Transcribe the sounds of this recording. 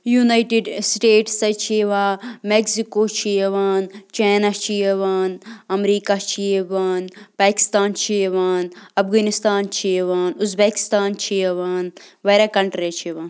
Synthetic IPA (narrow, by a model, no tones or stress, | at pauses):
junajʈeɖsʈeːʈsɐt͡ʃʰiʋaːmeksikot͡ʃʰieʋaːnt͡ʃeːnat͡ʃʰieʋaːnɐmɾiːkat͡ʃʰieʋaːnpaːki̥st̪aːnt͡ʃʰiʋaːnɐfɡaːnist̪aːnt͡ʃʰiʋaːnuzbeːki̥st̪aːnt͡ʃʰieʋaːnʋɐɾakɐɳʈɾit͡ʃʰiʋaːn